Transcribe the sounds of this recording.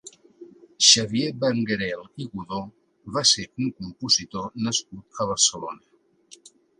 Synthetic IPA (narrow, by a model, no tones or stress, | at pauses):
ʃəβjebəŋɡəɾɛlˠiɣuðo | βaseɾuŋkumpuzit̪onəskut̪əβ̞əɾsəlo̰nə